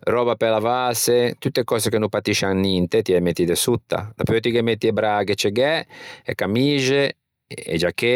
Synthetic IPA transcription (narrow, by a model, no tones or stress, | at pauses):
rɔːbapelavaset̪ut̪ːekɔːsekenupat̪iʃaŋnint̪et̪iɛmet̪ːid̪esut̪ːa̰d̪apɔt̪ikemet̪ːiebɾaɡet͡ʃeɡɛekamiːʒe | ḛd͡ʒakːe